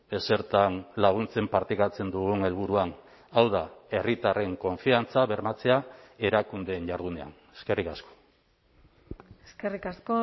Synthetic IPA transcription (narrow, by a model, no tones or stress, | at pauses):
e̞se̞ɾt̪anlaɣ̞unt͡se̞mpaɾt̪ikat͡se̞nd̪uɣ̞uŋe̞lβ̞uɾuan | awðae̞rit̪are̞ŋko̞ɱfiant͡saβe̞ɾmat͡se̞ae̞ɾakund̪e̞ːɲʝaɾðune̞a̰n | e̞ske̞rikasko̥ | eskerikasko